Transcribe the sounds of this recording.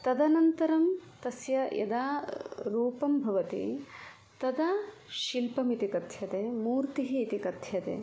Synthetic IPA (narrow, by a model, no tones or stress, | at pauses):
t̪ɐd̪ɐnɐnt̪ɐɾɐmt̪ɐsjɐjʔɐ̰d̪aːɾuːpɐmbʱɐʋɐt̪ḭ | t̪ɐd̪aː | ʃilpɐmit̪ikɐt̪ʰjɐt̪eːmuːɾt̪iɦiːt̪ikɐt̪ʰjɐt̪ḛː